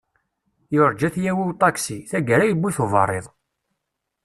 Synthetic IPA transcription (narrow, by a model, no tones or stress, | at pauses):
joɾd͡ʒæθjæwiwt̪ˤːɑksiθæɡæɾæjəbːiθovə̰rˤːeðˤ